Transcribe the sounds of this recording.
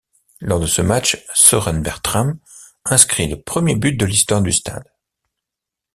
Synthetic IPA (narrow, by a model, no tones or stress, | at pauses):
lɔʁd̪əsəmat͡ʃsɔʁɛnbɛʁt̪χam | ɛ̃skχiləpχəmjebyt̪̚d̪əlist̪waʁd̪yst̪a̰d̪